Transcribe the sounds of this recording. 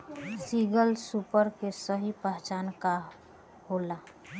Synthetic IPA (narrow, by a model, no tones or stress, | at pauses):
siɡəlsupəɾkesəɦipəɦt͡ʃaːnka | hola